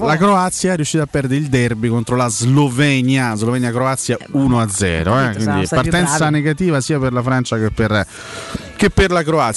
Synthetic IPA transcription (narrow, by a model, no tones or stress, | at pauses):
lakɾoat̪sjaɛɾjuʃːiːt̪apːɛrd̪eɾeild̪ɛrbikont̪ɾolazlovɛɲjazlovɛɲjakɾoat̪sjaunoad̪zːɛ̰ːɾoɛkwind̪ipart̪ɛnt̪ssaneɡat̪iːvasiːaperlafɾant͡ʃakepːer | k̟epːerlakɾoat̪s